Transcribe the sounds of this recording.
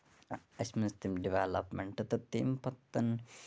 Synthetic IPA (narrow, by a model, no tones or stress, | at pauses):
ɐsmist̪imɖiʋelɐ̰pmeɳʈɐt̪ɐt̪ːiːmpɐt̪ːɐn